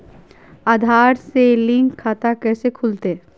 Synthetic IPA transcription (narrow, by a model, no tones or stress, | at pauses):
aːd̪ʱaːɾselɪ̃ŋɡʰaːt̪akɛːsekʰʊlt̪e